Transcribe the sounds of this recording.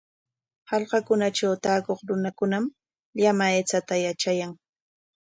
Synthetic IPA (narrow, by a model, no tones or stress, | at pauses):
hɑʎqɑkʊnat͡ʃawt̪aːkoχɾʊnakʊnam | ʎamaet͡sat̪ajat͡ʃajaŋ